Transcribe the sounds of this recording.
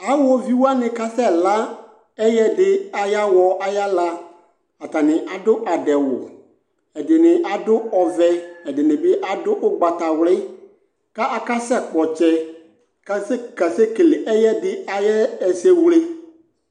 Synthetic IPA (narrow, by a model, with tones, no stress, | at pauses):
a˨wɔ˦vi˦wu˦a˦nɪ̃˨ka˦sɛ˦la˦ | ɛ˦jɛ˦dɪ˦a˨ja˦wɔ˨ʔa˨ja˦la˦ | a˨t̪a˨nɪ̃˨ʔa˨dʊ˦ʔa˨dɛ˨wʊ˨ | ɛ˨dɪ˨nɪ˨ʔa˨dʊ˦ɔ˨vɛ˦ɛ˨dɪ˨nɪ̃˨bɪ˦ʔa˨dʊ˦ʔʊ˦ɡ͡ba˨ta˨wlɪ˦ | ka˦ʔa˨ka˦sɛ˦k͡pɔ˨t͡ʃɛ˦ | ka˦sɛ˦ka˨sɛ˦ke˨lɪ˨ʔɛ˦jɛ˦dɪ˦a˨jɛ˦ɛ˨se˦wle˦